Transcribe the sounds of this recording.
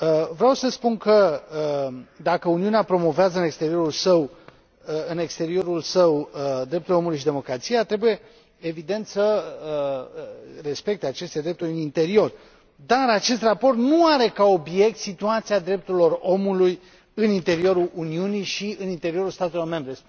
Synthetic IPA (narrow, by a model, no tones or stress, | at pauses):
əvɾeawsəspunkə | d̪akəuniuneapɾo̞mo̞veazəɨne̞kst̪e̞ɾio̞ɾulsəw | ɨne̞kst̪e̞ɾio̞ɾulsəwd̪ɾep̚t̪uleomulujʃid̪e̞mo̞kɾat̪sijat̪ɾe̞buje̞ | evid̪e̞nt̪sə | re̞spe̞k̚t̪e̞at͡ʃe̞st̪e̞d̪ɾe̞p̚t̪uɾʲɨnint̪e̞ɾio̞r | d̪aɾat͡ʃe̞st̪rapo̞rt̪nuaɾe̞kao̞bje̞k̚t̪sit̪uat̪siad̪ɾe̞p̚t̪uɾilo̞ro̞muluj | ɨnint̪e̞ɾio̞ɾulʔuniunijʃiɨnint̪e̞ɾio̞ɾulst̪at̪e̞lo̞rme̞mbɾe